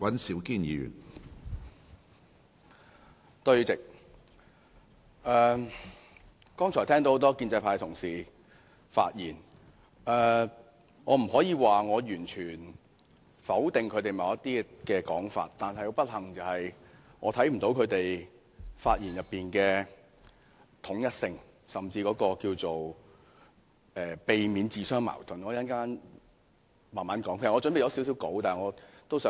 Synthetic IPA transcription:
wɐ˨˥nsiː˨˥wkiː˥njiː˨˧jy̰˨˩n | t̪ɵ˧ɥt͡sɪ˨k̚ | ʔɛː˨ | kɔː˥ŋt͡ʃʰɔː˨˩jt̪ʰɛː˥ŋt̪o˧˥ht̪ɔː˥kiː˧nt͡sɐ˧jpʰaː˧jt̪ʰʊ˨˩ŋsiː˨ | fa̰ː˧t̚jiː˨˩n | ʔɛː˨ | ŋɔː˨˧m̩˨˩hɔː˨˥jiː˨˧waː˨ŋɔː˨˧jyː˨˩nt͡ʃʰyː˨˩n | fɐ˨˥wt̪ɪ˨ŋkʰɵ˨˧ɥt̪e˨jmɐ˨˧wjɐ˥t̪iː˥kɛː˧kɔː˨˥ŋfa̰ː˧t̚t̪aː˨nɦɐ˨jho˧wpɐ˥t̚hɐ˨˩ŋt͡sɐ˨˧whɐ˨j | ŋɔ̰ː˨˧t̪ʰɐ˨˥jm̩˨˩t̪o˨˥wkʰɵ˨˧ɥt̪e˨j | faː˧t̚jiː˨˩njɐ˨pːiː˨nkɛː˧ | t̪ʰʊ˨˥ŋjɐ˥t̚sɪ˧ŋ | sɐ˨mt͡siː˧kɔː˨˥kɔː˧kiː˧wt͡so˨w | ɛː˨˩pe˨jmiː˨˧nt͡siː˨sœː˥ŋma̰ː˨˩wt̪ʰɵ˨˩nŋɔː˨˧˥jɐ˥nkaː˥n | maː˨˩nmaː˨˥nkɔː˨˥ŋpʰe˨˩sɔː˧t͡sɵ˨˥npe˨jɐ˨˧wsiː˨˥ws̬i˨˥wko˨˥wt̪aː˨˩ŋɔː˨˧t̪wsœː˨˥

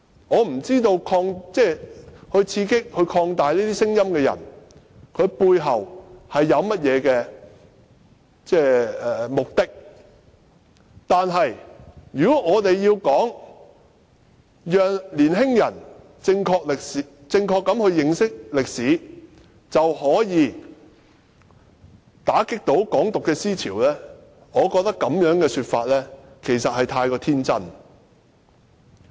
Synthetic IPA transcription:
ŋɔː˨˧m̩˨˩t͡siː˥t̪o˧wkʰɔː˧ŋt͡sɛː˥hɵ˧ɥt͡sʰiː˧kɪ˥k̚hɵ˧ɥkʰɔː˧ŋt̪aː˨jliː˥t̪iː˥sɪ˥ŋjɐ˥mkɛː˧jɐ̰˨˩n | kʰɵ˨˧ɥpuː˧jɦɐ˨˩whɐ˨jːɐ˨˧wmɐ˥t̚jɛː˨˧kɛː˧ | t͡sɛː˥˩ɛ˨mʊ˨k̚t̪ɪ˥k̚ | t̪aː˨nɦɐ˨jjyː˨kɔ˨˥ŋɔː˨˧t̪e˨jːiː˧wkɔː˨˥ŋ | jœː˨ŋliː˨˩nɦɪ˥ŋjɐ˨˩n | t͡sɪ˧ŋkʰɔː˧k̚lɪ˨k̚si˨ | t͡sɪ˧ŋkʰɔː˧kːɐ˨˥mhɵ˧ɥjɪ˨ŋsɪ˥k̚lɪ˨k̚siː˨˥ | t͡sɐ˨whɔː˨˥jiː˨˧ | t̪aː˨˥kɪ˥k̚t̪o˨˥wkɔː˨˥ŋt̪ʊ˨kːɛː˧siː˥t͡sʰiː˨˩wlɛː˥ | ŋɔː˨˧kɔː˧k̚t̪ɐ˥kːɐ˨˥mjœː˨˥ŋkɛː˧syː˧t̚faː˧t̚lɛː˥kʰe˨˩jsɐ˨t̚hɐ˨jt̪ʰaː˧jkɔː˧t̪ʰiː˥nt͡sɐ˥n

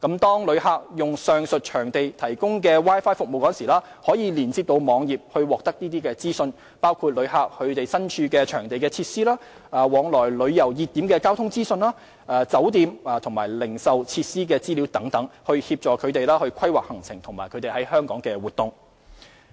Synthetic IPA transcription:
kɐ˨˥mt̪ɔː˥ŋlɵ˨˧ɥhaː˧k̚jʊ˨ŋsœː˨ŋsɵ˨t̚t͡ʃʰœː˨˩ŋt̪e˨jt̪ʰɐ˨˩jkʊ˥ŋkɛː˧waː˥jfaː˥jfʊ˨k̚mo˨wkɔ˥nsiː˨˩laː˥hɔː˨˥jiː˨˧liː˨˩nt͡si˧p̚t̪o˧wmɔː˨˧ŋjiː˨p̚hɵ˧ɥwɔː˨k̚t̪ɐ˥k̚niː˥t̪iː˥kɛː˧t͡siː˥sɵ˧n | paː˥wkʰuː˧t̚lɵ˨˧ɥhaː˧k̚hɵ˨˧ɥt̪e˨jsɐ˥nt͡ʃʰyː˧kɛː˧t͡ʃʰœː˨˩ŋt̪e˨jkɛː˧t͡sʰiː˧t̚siː˥laː˥ | aː˨˩wɔː˨˧ŋlɔː˨˩jlɵ˨˧ɥjɐ˨˩wjiː˨t̪ːiː˨˥mkɛː˧kaː˥wt̪ʰʊ˥ŋt͡siː˥sɵ˧nlaː˥ | aː˨t͡sɐ˨˥wt̪iː˨˧maː˨t̪ʰʊ˨˩ŋmaː˨˩jlɪ˨˩ŋsɐ˨wt͡sʰi˧t̚siː˥k̬ɛː˧t͡siː˥li˨˥wt̪ɐ˨˥ŋt̪ɐ˨˥ŋhɵ˧ɥhiː˧p̚t͡ʃɔː˨˩kʰɵ˨˧ɥt̪e˨jlaː˥hɵ˧ɥkʷʰɐ˥jwaː˨˩k̚hɐ˨˩ŋt͡sʰɪ˨˩ŋt̪ʰʊ˨˩ŋmaː˨˩kʰt̪e˨˩hɐ˨˥jhœː˥ŋkɔː˨˥ŋkɛː˧wuː˨˩t̪ːʊ˨ŋ

